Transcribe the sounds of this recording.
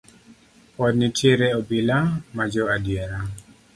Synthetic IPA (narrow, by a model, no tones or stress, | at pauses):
pɔd̚nitʰjeɾeɔbilamad͡ʒɔadjeɾa